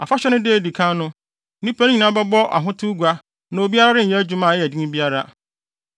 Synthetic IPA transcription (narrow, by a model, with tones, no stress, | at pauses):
a̰˨fa˦ɕᶣɛ˦nʊ̃˦de˦˨di˨kʰã˦nʊ̃˦ | nĩ˦pa˦ñ˦ɲĩ˨nã˦bɛ˦bɔ˦ʔa̰˨ɦʊ̃˦tʰu˦ɡʷa˦ | nã˨o˨bi˦a˦ɾa˦ɾɪ˦˨jɛ˦d͡ʑu˦mã˨jɛ˨di˦nĩ˦bi˦a˦ɾa˦